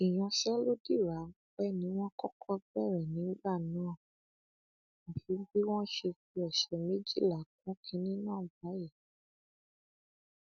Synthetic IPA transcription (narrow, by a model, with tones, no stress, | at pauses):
i˨j̃ɔ̃˧ʃɛ˦lo˦di˦˨ɾa˨˦ | bɛ˦˨nĩ˨˦w̃ɔ̃˦kɔ˦kʰɔ˦bɛ˦˨ɾɛ˨nĩ˨˦ba˦˨nã˨˦˨ | mo˨fi˨˦ɡ͡bi˦w̃ɔ̃˦ʃe˧ki˧˦ɛ˨ʃɛ˨mẽ˦d͡ʒḭ˦˨la˨k̚ũ˨˦kʰĩ˧˦nĩ˦nãː˦˨ba˨˦je˦˨